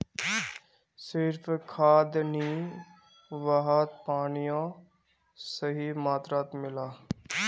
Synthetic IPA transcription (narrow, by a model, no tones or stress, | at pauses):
sɪɾpʰkʰaːd̪niː | ʋaɦaːt̪̚paːɳijãː | səɦiːmaːt̪ɾaːt̪mɪlaː